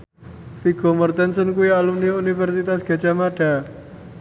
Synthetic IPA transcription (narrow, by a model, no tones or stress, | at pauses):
fiɡ̥o̤mərt̪ɛnsənkujaalumniunifɛrsit̪asɡ̥a̤t͡ʃamaɖ̥a̤